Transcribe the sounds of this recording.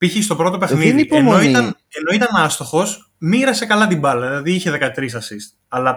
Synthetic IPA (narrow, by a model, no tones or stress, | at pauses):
piçist̪o̞pɾo̞t̪o̞pe̞xninðipoenoit̪ɐn | eno̞it̪ɐnɐst̪o̞xo̞s | miɾɐse̞kɐlɐt̪imbɐlɐðilɐðiiçe̞ðe̞kɐt̪ɾisɐsist̪̚ | ɐlɐ